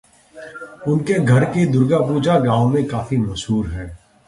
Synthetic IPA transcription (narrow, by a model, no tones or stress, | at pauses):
ʊnkeɡʱɐɾked̪ʊɾɡapuːd͡ʒaɡãːwmẽkaːfimɐʃɦuːɾɦɛː